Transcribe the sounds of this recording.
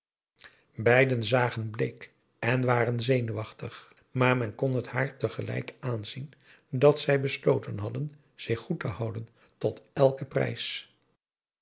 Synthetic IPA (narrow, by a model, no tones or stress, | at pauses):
bɛjdənzaːχənblejk | ɛnʋaːrənzejnyʋɑχtəχ | maːɹmɛnkɔnɦəthaːɹtəχəlɛ̰jkaːnzin | dɑtsɛjbəslowtənɦɑdən | z̥ɪχːutəɦʌwdən | tɔtɛlˠkəprɛ̰js